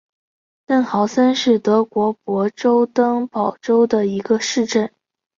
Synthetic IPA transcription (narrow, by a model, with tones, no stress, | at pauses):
t̪ə˥˩ŋxɑ˨˧˩ʊsə˥nʂɻ̩˥˩t̪ɤ˧˥kwɔ˧˥pwɔ˧˥ʈ͡ʂo˥ʊt̪ɤ˥ŋpɑ˨˩ʊʈ͡ʂo˥ʊd̪ə˨i˧˥ɡə˧ʂɻ̩˥˧ʈ͡ʂə˥˩n